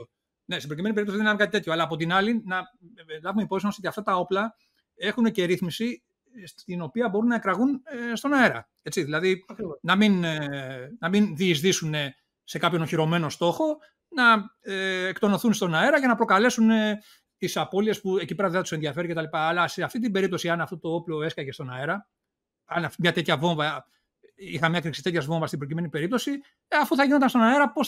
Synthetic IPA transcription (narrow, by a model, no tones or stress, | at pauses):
ne̞st̪ebɾocime̞nipeipt̪osiðeneɐnkɐt̪it̪e̞t̪çoɐlɐːpot̪inɐlinɐlɐvumeipopsiomosiotiɐft̪ɐt̪ɐo̞plɐ | e̞xunece̞ɾiθmisi | st̪ino̞piɐbo̞ɾunːɐe̞kɾɐɣunest̪o̞nɐe̞ɾɐ̰ | e̞t͡siðilɐðinɐmin | nɐminðiːzðisune̞ | se̞kɐpço̞noçiɾo̞me̞no̞st̪o̞xo̞ | nɐeekt̪o̞no̞θunst̪o̞nɐe̞ɾɐʝɐnɐpɾokɐle̞sune | t̪isɐpo̞lie̞spue̞cipe̞ɾɐðeθɐt̪u̥seðiɐfe̞ɾiceɐlipɐːlɐse̞ɐft̪it̪ibe̞ɾip̚t̪o̞siɐnɐft̪ot̪o̞o̞plo̞e̞skɐce̞st̪o̞nɐeɾɐ | ɐnɐmɲɐt̪e̞t̪çɐvo̞ɱvɐ | ixɐmɲɐkɾiksi̥t̪et̪çɐzvo̞ɱvɐst̪ibɾocime̞nibe̞ɾip̚t̪o̞si | ɐfuθɐʝinod̪ɐnst̪o̞nɐe̞ɾɐpo̞s